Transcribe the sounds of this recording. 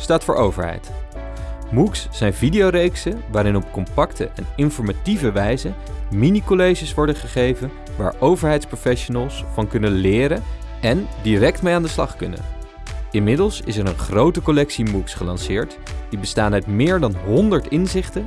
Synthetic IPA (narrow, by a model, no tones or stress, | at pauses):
staːtfʊːɹʔowvə̰ɹɦɛ̰jt | muksːɛjnvidijowɾejksəʋaːɾɪnɔp̚kɔmpɑktə̰ʔɛnɪnfɔɹmativəʋɛjzən | minikolejʒəsʋɔɹdəχəχejvən | ʋa̰ːɹowvəɹɦɛjtsprowfɛʃonəlˠsfɑnkɵnənlɪːɾən | ɛndirɛk̚tmejaːndəslɑ̰χkɵnə̰n | ɪnmɪdəlˠsɪsɛɹənχrowtəkɔlɛksimuksχəlɑnsɪːɹt | d̥ibəstaːnœɥtmɪːɹdɑnɦɔndəɹtɪnzɪχtən